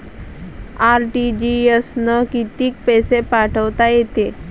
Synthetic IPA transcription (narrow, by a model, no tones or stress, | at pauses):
aɾʈid͡ʑiəsnəkit̪iːk̚pɛsepaʈʰəʋt̪ajet̪e